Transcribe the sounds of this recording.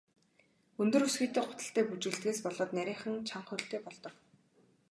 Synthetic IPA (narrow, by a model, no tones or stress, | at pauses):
ɵnt̪ɵ̆ɾusɡiːt̪eːχʊt̪ə̥̆ɬt̪æːput͡ɕɘ̆ːɮt̪ɡeːspɔɮɔːt̪næɾʲiːχə̆ŋt͡ɕʰaɴχʊɬt̪eːpɔɮt̪ɞ̆k